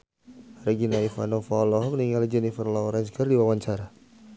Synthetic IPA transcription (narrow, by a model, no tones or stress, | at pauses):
ɾɛɡinaifa̰nɔfaːlɔɦɔk̚niŋald͡ʒɛnifərlaɔɾɛnskərdiwawaɲt͡ʃaɾa